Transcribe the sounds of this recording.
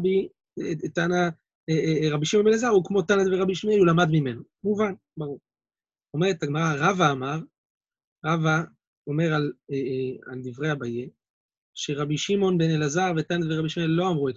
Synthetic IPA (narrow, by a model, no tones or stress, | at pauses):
bi | tana | eʁabiʃimonbelazaʁukmo̞t̪anad̪veʁabiʃimelulamad̪mime̞nu | muvan | baʁuʁ | o̞meʁet̪aɡmaʁaʁavaːmaʁ | ʁava | o̞me̞ʁaleald̪ivʁeabaje | ʃeʁabiʃimo̞nbenelazaʁvet̪anad̪veʁabiʃimelːo̞amʁuet